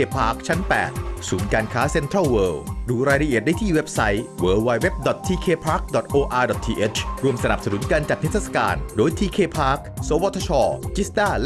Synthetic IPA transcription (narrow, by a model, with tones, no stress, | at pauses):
eː˧pʰaː˦˥k̚t͡ɕʰa˦˥npɛ̰ː˨˩t̪̚suː˩˦nkaː˧nkʰaː˦˥se˧˥nt̪ʰɾa˥˩lwɤː˧wduː˧ɾaː˧jɾa˧ʔi˨˩t̪̚da˥˩jt̪ʰiː˥˩we˦˥p̚sa˦˥jwəː˧wwaː˧jwe˦˥p̚dɔ˨˩t̪ʰːiː˧kʰeː˧pʰaː˦˥k̚dɔ˨˩t̪̚ʔoː˧ʔaː˧dɔ˨˩t̪ʰiː˧ʔe˦˥t͡ɕʰɾu˧əmsa˧na˨˩p̚sa˧nu˩˦nkaː˧nt͡ɕaː˨˩k̚p̪ʰe˦˥t̪̚ʰːa˥sḁ˧ka̰ː˧ndoː˧jt̪ʰiː˧kʰeː˧pʰaː˦˥k̚soː˨˩˦wɔ˦˥t̪ʰːa˧t͡ɕʰɔː˧t͡ɕi˦˥st̪aː˥˩l